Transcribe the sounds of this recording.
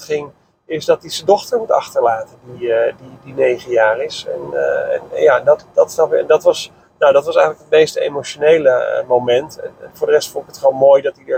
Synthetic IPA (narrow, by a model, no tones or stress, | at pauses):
χɪŋ | ɪsdɑtizədɔχtəɹmutɑ̰χtəɹlaːtəndididinejχənjaːrɪsɛ̰nɛ̰njaɛndɑtd̥ɑtsɔɛndɑtʋɑs | nawdɑtʋɑsɛjənləkɦət̚mejstḛjmoʃonejlə̰mowmɛntɛ̰nɛnvʊːɹdərɛstfʊ̃ndɪkətχəonmoːjdɑtidəɹ